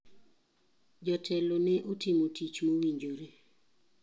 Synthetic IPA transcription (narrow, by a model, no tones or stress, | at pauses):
d͡ʒɔtʰɛlonɛʔotimotit͡ʃmowiɲd͡ʒoɾe